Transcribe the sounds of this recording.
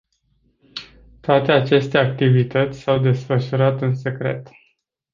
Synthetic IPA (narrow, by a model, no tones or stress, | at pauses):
t̪oat̪e̞at͡ʃe̞st̪e̞ak̚t̪ivit̪ət̪sʲsawd̪e̞sfəʃuɾat̪ɨnse̞kɾe̞̰t̪